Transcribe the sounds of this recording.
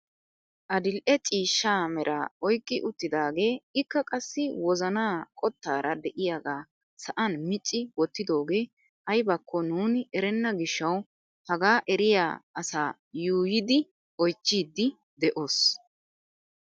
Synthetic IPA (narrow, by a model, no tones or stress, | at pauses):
ʔɐd̪ɪlʔɛt͡ʃʼiːʃːaːmɛɾʔaɔjkʼːɪʔʊt̪ːɪd̪aːɡe̞ːɪkːɐkʼɐsːɪwɔzɐnaːkʼɔt̪ːaːɾʔɐd̪ɛʔɪjaɡaː | sɐʔɐnmɪt͡ʃʼːɪwɔt̪ːɪd̪o̞ːɡe̞ː | ʔɐjbɐkʰːɔnuːnɪɛɾɛnːɐɡɪʃːɐw | hɐɡaːʔɛɾɪja̰ːɐsaː | juːjɪd̪ɪ | ɔjt͡ʃːiːd̪ːɪ | d̪ɛʔo̞ːs